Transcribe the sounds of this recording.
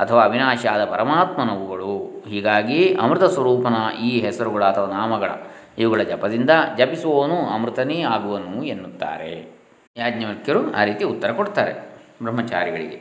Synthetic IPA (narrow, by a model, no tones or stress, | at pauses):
ɐt̪ʰɐʋaːɐbʱinaːʃaːd̪ɐpɐɾɐmaːt̪mɐnɐʋuɡɐɭuɦiːɡaːɡiɐ̰mɾɨt̪ɐsʋɐɾuːpɐnɐʔiːɦɛsɐɾuɡɐɭɐːt̪ʰɐʋanaːmɐɡɐɭɐ̰ | iʋuɡɐɭɐd͡ʒɐpɐd̪ind̪ɐd͡ʒɐpisuʋɐɐnuɐmɾit̪ɐneːaːɡuʋɐnuenːut̪ːa̰ːɾḛ | jaːɡɲɐʋɐkjɐɾua̰ːɾiːt̪iut̪ːɐɾɐkoɽt̪aːɾḛbɾɐmːɐt͡ʃa̰ːɾiɡɐɭḭɡḛ